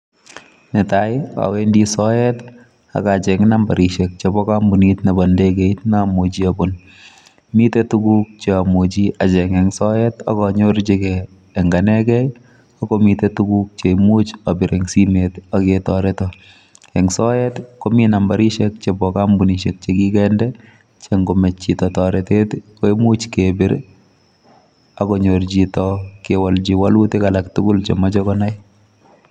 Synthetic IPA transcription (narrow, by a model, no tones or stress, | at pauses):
nɪtaja̰wendisɔjɛt | a̰kat͡ʃɛŋnambaɾiʃɛk̚t͡ʃebɔkambunitnabɔndekeitnamod͡ʒiabon | mitetukuk̚t͡ʃeamod͡ʒiat͡ʃɛŋɛŋsɔjɛta̰kɔɲʊɾd͡ʒekɛː | ŋɡanɛkɛj | ɔkomitetuɡuk̚t͡ʃemut͡ʃabɪɾeŋsimetaketɔɾɛtɔ | ɛŋsɔjɛtkominambaɾiʃek̚t͡ʃebɔkambuniʃek̚t͡ʃekikɛndɛ | t͡ʃeŋɡomet͡ʃːitɔtɔɾetet | oemut͡ʃkebɪɾ | akɔɲoɾd͡ʒitɔkewald͡ʒiwalutekalaktukʊlt͡ʃemad͡ʒɔkɔnaj